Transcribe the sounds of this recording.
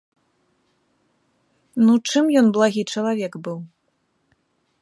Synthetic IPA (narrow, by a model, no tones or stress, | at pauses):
nut͡ʂɨmjɔnblˠaɣʲit͡ʂɐlˠavʲɛkbɨw